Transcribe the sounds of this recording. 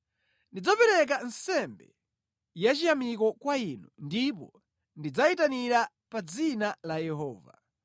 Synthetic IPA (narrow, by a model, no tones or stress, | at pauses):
ndid͡zapɛɾɛk̬an̩sɛmbɛ | jat͡ʃijamikɔkwainundipɔ̰ | ndid͡zaitaniɾa | pad͡zinalajɛɦɔ̰ːva̰